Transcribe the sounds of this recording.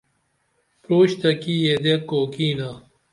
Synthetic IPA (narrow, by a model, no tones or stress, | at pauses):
pɾoːɕt̪ɐkijed̪ekːoːkiːnaː